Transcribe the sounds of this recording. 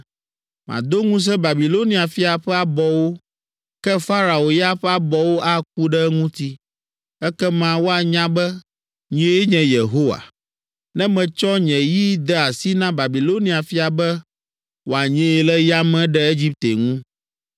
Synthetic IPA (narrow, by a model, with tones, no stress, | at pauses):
m˨ã̰˨d̪o˦ŋũ˦s̬ɛ̃˦ba˨bi˨lo˦nĩ˨˦a˨fi˦a˨ɸɛ˦a˨bɔ˦wo˦ | kɛ˦fa˦ɾa˨o˨ja˦ɸɛ˦a˦bɔ˨wo˦ʔa˦k̚u˦ɖɛ˦ŋũ˦t̪i˦ | ɛ˦kɛ˦mã˨wo˦a˨ɲã˦bɛ˦ | ɲĩ˦e˦e˦ɲɛ̃˨je˨ɦo˦wa̰˨ | nɛ̃˦mɛ̃˨t͡ʃɔ˦ɲɛ̃˨ji˦d̪ɛ˦a˨si˦nã˦ba˨bi˨lo˦nĩ˦a˨fi˦a˨bɛ˦ | wo˨a˨ɲɛ̃˦e˨lɛ˦ja˦mɛ̃˨ɖɛ˦e˦d͡ʑi˦p̚t̪e˨ŋũ˦